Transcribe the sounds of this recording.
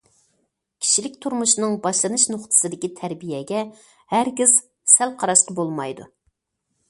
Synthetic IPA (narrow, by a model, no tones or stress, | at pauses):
kʲʰi̥ʃilɪkʲt̪ʰuɾmuʃnɨŋbɑʃlˠɨnɨʃnʊχt̪ʰɨ̥sɨd̪ɪkʲit̪ʰæɾbijɛɡʲɛ | hæɾɡʲiz̥ | sælˠqʰɑɾɑʃqɑbolˠmɑjd̪ṵ